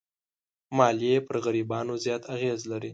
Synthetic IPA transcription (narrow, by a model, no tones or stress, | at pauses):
mɑljepəɾɣaɾibɑnozjɑt̪ʰaɣezlaɾi